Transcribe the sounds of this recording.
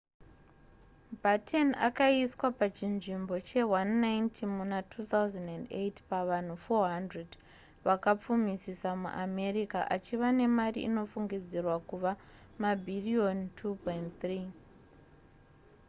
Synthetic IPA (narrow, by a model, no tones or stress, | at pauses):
batʰena̰kaiswapat͡ʃinʐimbo̞t͡ʃe̞wanːajntʰimunatʰut̪awzandandḛtpaʋan̤ufo̞ɦandred | ʋakap͡fumisisamṵʔame̞rikaʔat͡ʃiʋane̞marḭʔḭno̞fuŋɡid͡zirwakuʋa | mabʱiriontʰupojntt̪riː